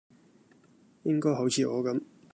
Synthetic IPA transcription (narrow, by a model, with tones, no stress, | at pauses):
jɪ˥ŋkɔː˥jɦo˨˥wt͡sʰiː˨˧ʔɔ̰ː˨˧kɐ˨˥m